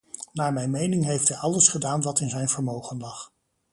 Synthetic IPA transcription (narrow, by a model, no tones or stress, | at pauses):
naːɹmɛjnmejnɪŋɦejftɦɛjɑləsχədaːnʋɑtɪnzɛjnvəɹmowχənlɑχ